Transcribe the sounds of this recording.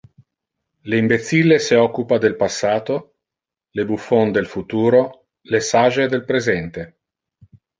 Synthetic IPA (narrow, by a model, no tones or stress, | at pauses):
leimbet̪sileseɔkːupad̪elpasːaːt̪o | lebufːond̪elfut̪uːɾo | lesaʒed̪elpɾezɛnt̪e